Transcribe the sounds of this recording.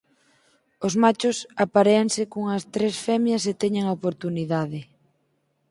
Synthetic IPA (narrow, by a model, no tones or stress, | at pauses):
ozmat͡ʃʊsapaɾeaŋsɪkoŋɐst̪ɾesfɛmjɐset̪ɛɲeŋopoɾt̪uniðaðɪ